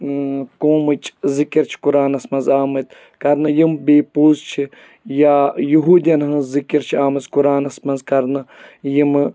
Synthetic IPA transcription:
kõːmɨt͡ʃzikiɾt͡ʃʰi̥kuɾaːnɐsmɐnzaːmɐt̪ | kɐɾnɨjimbeːpuːzt͡ʃʰi | jaːjuɦuːd̪jɐnɦɐ̃zikiɾt͡ʃʰiaːmɐzkuɾaːnɐsmɐnzkɐɾnɨjim

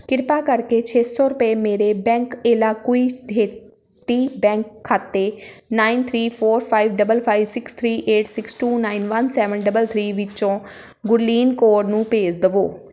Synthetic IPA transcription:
kɪɾpaːkəɾkeːt͡ʃʰeːsɔːɾʊpeːmeːɾeːbɛ̃ːŋkeːlaːkoiːdeː | t̪iːbɛ̃ːŋkʰːaːt̪eːnaːint̪ʰɾiːpʰoːɾpʰaːiʋɖəbəlpʰaːiʋsɪkst̪ʰɾiːʔeːʈsɪksʈuːnaːinʋənsɛːʋənɖəbəlt̪ʰɾiːʋɪt͡ʃõː | ɡʊɾliːnkoːɾnũːpeːd͡ʒd̪əʋoː

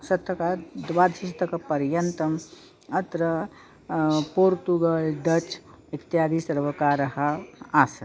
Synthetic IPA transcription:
sɐt̪ɐkad̪ʋaːd̪ɦisɐt̪ɐkapɐɾjɐnt̪ɐm | ɐt̪ɾɐ | poːɾt̪uɡɐlɖ̪ɐt͡ʃ | ikt̪jaːd̪ʱisɐɾʋɐkaɾɐɦɐaːsɐ

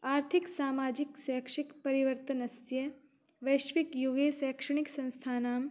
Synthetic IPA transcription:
aːɾt̪ʰiksaːmaːd͡ʒiksɛːkʂikpɐɾiʋəɾt̪ɐnɐsjɐ | ʋɐjʃʋikjuɡeːsɛːkʂɐɳiksɐ̃nst̪ʰaːnaːm

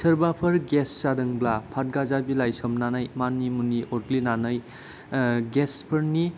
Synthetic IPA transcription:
səɾbapʰɐɾɡesːadɯŋblapʰat̚ɡazabilajsɔmnanajmanːimuniʔɔɾlinanɯj | ɡespʰəɾni

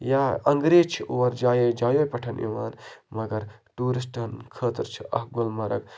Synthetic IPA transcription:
jaːɐŋɡɾeːt͡ʃʰiʔuʋɐɾd͡ʒaːjoːjd͡ʒaːjoːjpɐʈʰɐnʔḭʋaːnmɐɡɐɾʈuːɾis̬ʈɐnkʰəːt̪ɐɾt͡ʃʰi̥ɐ̰hɡʊlmɐɾɐ̰ɡ

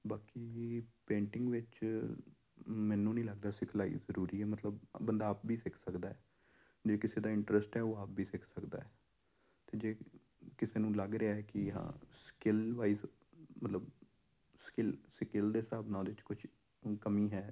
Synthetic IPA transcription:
baːkiːpẽːɳʈɪŋɡʋɪt͡ʃ | mɛ̃ːnːũːnĩːləɡd̪aːsɪkʰlaːḭːzəɾuːɾiːɛːmət̪ləbbənd̪aːpʋiːsɪkʰsəkd̪aːɛː | d͡ʒeːkɪseːd̪aːɪɳʈɾəsʈɦɛːoːaːp̚ʋiːsɪkʰsəkd̪a̰ːɦɛː | t̪eːd͡ʒeː | kɪseːnũːləɡɾeaːɦɛːkɪɦã̰ːskɪlʋaːiːz | mət̪ləb | skɪlskɪld̪eːsaːbnãːd̪eːɪt͡ʃkʊt͡ʃʰ | kəmĩːɦɛː

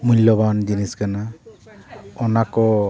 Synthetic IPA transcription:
mulːɔband͡ʒiniskana | ɔnakɔ

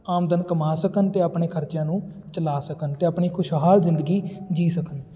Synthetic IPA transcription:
aːmd̪ənkəmaːsəkənt̪eːəpɳeːkʰəɾt͡ʃjãːnũː | t͡ʃəlaːsəkənt̪eːəpɳiːkʰʊʃɦaːlzɪ̃nd̪əɡiːd͡ʒiːsəkən

